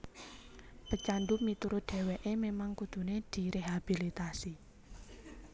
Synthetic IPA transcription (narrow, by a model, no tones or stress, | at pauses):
pət͡ʃanɖumit̪uɾʊd̪̥e̤weʔememaŋkud̪̥ṳned̪̥i̤ɾeɦab̥ilit̪asi